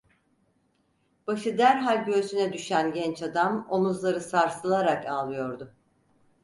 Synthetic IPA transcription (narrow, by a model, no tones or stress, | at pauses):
b̥aʃɯd̪æɾɦalʲɟøːsynɛd̪yʃænɟɛnt͡ʃad̪amo̞muzlˠaɾɯsaɾsɯlˠaɾakaːlˠɯjo̞ɾd̪ʊ